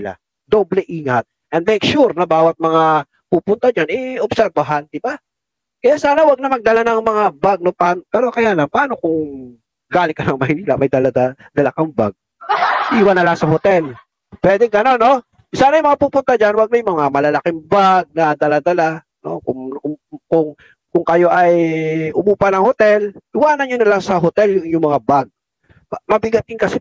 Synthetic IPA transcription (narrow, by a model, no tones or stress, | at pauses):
la̰ | d̪oblɛʔiːŋɐt̪̚ | ʔɛnd̪mɛk̚ʃuɾnɐbaːwɐt̪̚mɐŋa | puːpʊnt̪ad͡ʒanʔɛobsɛɾbɐɦand̪ɪba | kɐjasaːnɐwɐɡ̚nɐmɐɡ̚d̪ɐlanɐŋmɐŋabaɡ̚nopaːnpɛːɾo̞kɐjaːlɐŋpɐaːno̞kʊŋ | ɡaːlɪkːɐnɐŋmɐhɪniːlɐ̰mɐjd̪ɐlad̪ad̪ɐlakɐmba̰ɡ̚ | sʔiːwɐnːɐlaŋsɐhot̪ɛl | pwɛːd̪ɛŋɡɐno̞no̞ | saːnɐjʊmɐŋapuːpʊnt̪ad͡ʒanwɐɡ̚mɐjmɐŋamɐlɐlɐkɪmbaɡ̚nɐd̪ɐlad̪ɐla | no̰kʊŋkʊŋ | kʊŋkɐjo̞ʔɐjʊmuːpɐnɐŋhot̪ɛlʔɪwaːnɐnɲonɐlaŋsɐɦot̪ɛljʊŋʔɪɲʊŋmɐŋabaɡ̚ | mɐmɐbɪɡɐt̪ɪnkɐsɛ